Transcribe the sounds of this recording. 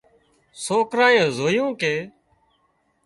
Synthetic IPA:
soːkɾaːẽːzoːjõːkeː

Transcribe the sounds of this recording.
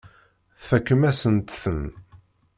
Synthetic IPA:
θfækːəmæsənt̪θən

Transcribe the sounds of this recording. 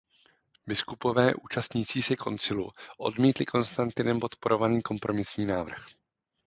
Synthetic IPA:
bɪskupo̞vɛːʔuːt͡ʃast̪ɲiːt͡siːsɛko̞̰nt͡sɪluʔo̞̰dmiːt̪lɪkʰo̞nst̪ant̪ɪnɛmpo̞t̪po̞ɾo̞vaniːko̞mpɾo̞mɪsɲiːnaːvr̩x

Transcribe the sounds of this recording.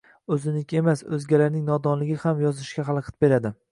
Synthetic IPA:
ɵzɪnɪkʲʰe̞masɵ̰zɡʲalaɾnɪŋnɒd̪ɒnlɪɡʲɪhamjɒzɪʃkʲaχɑlˠqʰɨ̥t̪̚be̞ɾad̪ɪ

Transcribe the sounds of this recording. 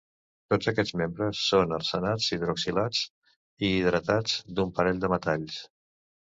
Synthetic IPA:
t̪od͡zəkɛd͡zmembɾəsːonərsənad͡ziðɾoksilad͡z | iːð̞ɾət̪ad͡zd̪umpəɾɛʎd̪əmət̪aʎs

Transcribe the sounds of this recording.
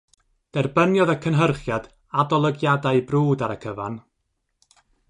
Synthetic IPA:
d̥ɛrbənjɔðəkʰənɦərχjad̥ | adɔlˠəɡjadajbruːdaɾəkʰəva̰n

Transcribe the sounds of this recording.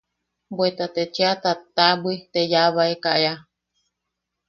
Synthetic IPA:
bwet̪at̪et͡ʃeat̪at̪abɨt̪ejaβaekaʔea

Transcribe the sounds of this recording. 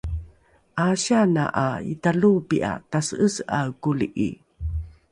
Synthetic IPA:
ʔaɕana̰ʔaḭtalupiʔa̰tasəəsakuliʔḭ

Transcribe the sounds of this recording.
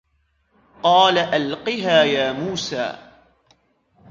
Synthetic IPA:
qɑːlaʔalqɪɦaːjaːmuːsa̰ː

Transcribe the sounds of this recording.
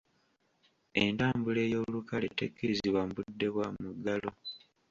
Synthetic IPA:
entaːmbule̞ːjo̞ːlukaletekːiɾiziβwambudːe̞βwamuɡːalo̞

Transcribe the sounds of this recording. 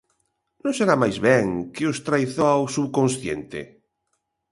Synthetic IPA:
nõseɾamajzβɛŋkeost̪ɾajθoawsuβkõnsθjḛnt̪ḛ

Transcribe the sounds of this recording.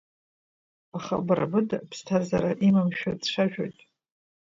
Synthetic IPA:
aχa̰brʔa̰bɨdapʰstʰazaɾaʔimamʃᶣadʂʷaʒᶣo̰jtʼ

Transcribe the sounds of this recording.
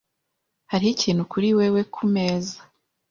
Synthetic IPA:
haɾihiciːn̥hukuɾiwe̞we̞kʰume̞ːzḁ

